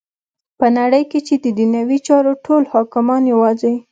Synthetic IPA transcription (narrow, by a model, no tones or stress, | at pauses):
pənaɽəjket͡ʃed̪əd̪inawit͡ʃɑɾoʈʰolhɑkɪmɑnjawɑze